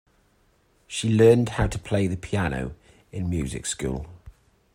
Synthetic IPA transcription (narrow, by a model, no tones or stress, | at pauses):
ʃilɜːnd̥haʊtʰəpʰl̥eɪðəpʰiano̰ʊ | ɪ̃nmjʉ̰ːzɪ̰kskṵːlˠ